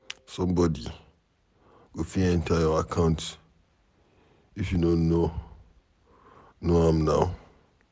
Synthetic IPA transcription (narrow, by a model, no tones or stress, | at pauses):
sɔ̃mbɔdi | wifiɛ̃ntʰaaakʰãʊ̃nt | ifjunono | noãmnaʊ